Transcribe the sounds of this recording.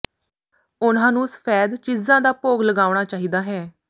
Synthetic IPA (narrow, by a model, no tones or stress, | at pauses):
ʊnãːnũːsə̥pʰɛːd̪t͡ʃiːzãːd̪aːpoːɡləɡaːʊɽ̃aːt͡ʃaːɦiːd̪aːɦɛː